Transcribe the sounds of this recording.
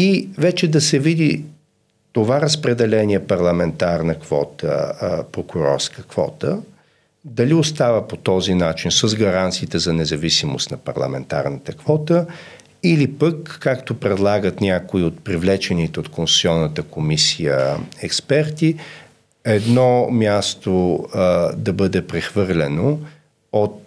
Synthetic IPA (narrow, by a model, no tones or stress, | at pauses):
ivɛt͡ʃɛd̪ɐsɛvid̪i | t̪ovaɾəspɾɛd̪ɛlɛniɛpɐɾlˠɐmɛnt̪aɾnəkv̥ɔ̰t̪ə̰pɾokuɾɔ̰ɾskəkvɔ̰t̪ə | d̪ɐliost̪avəpot̪ɔzinat͡ʃinsəzɡɐɾant̪siːt̪ɛzɐnɛzɐvisimo̰st̪nɐpɐ̰ɾlˠɐ̰mɛnt̪a̰ɾnət̪əkv̥ɔt̪ə | ilipəkːakt̪opɾɛd̪lˠaɡət̪nʲjakoiot̪̚pɾivlɛt͡ʃɛnit̪ɛot̪konsu̥t̪sʲiɔnːət̪əkomisijə̰ɛkspɛɾt̪i | ɛd̪nɔmʲjast̪o | d̪ɐbəd̪ɛpɾɛxvɤɾlʲɛno | ot̪̚